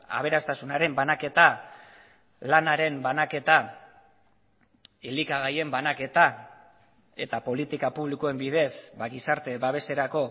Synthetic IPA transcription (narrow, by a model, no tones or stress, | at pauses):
a̰β̞e̞ɾast̪asunaɾe̞mbanake̞t̪a | lanaɾe̞mbanake̞t̪a | ilikaɣ̞aje̞mbanake̞t̪a | e̞t̪apo̞lit̪ikapuβ̞likoe̞mbið̞e̞sbaɣisaɾt̪e̞βaβe̞se̞ɾako̞